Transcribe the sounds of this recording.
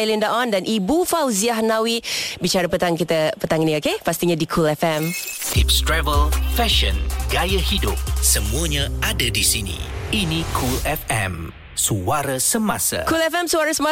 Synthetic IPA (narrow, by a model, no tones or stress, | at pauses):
jlindaʔɔndanʔibufawziahnãwibit͡ʃaɾapət̪aŋkit̪əpət̪aŋiniokepast̪iɲadikʰulɛfɛmhip̚stɾɛvəlfɛʃə̃nɡ̥ajəhidʊp̚səmũəɲãadadisinḭinikʰulɛfɛ̰̃m | suaɾəsəmasa̰kulɛfɛmsuaɾəsəma